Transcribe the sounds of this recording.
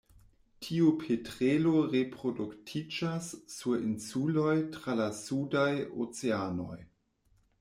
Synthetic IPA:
tʰiupʰetɾeloɾepɾoduktʰid͡ʒasːuɾinsulojtɾalasudajo̰t͡seano̞̰j

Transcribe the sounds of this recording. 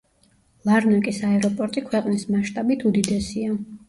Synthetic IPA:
lˠaɾnakʼisaɛɾɔpʼɔɾt̪ʼikʰwɛqʼnismaʃt̪ʼabit̪ʰud̪id̪ɛsia

